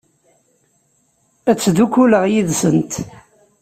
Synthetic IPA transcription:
æt͡sːðukːuləʁjiðsənt̪

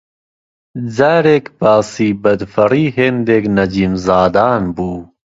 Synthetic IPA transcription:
d͡zaːɾeːkbaːsiːbɐd̪fɐrˤiːɦeːnd̪eːknɐd͡ʒiːmzaːd̪aːnbuː

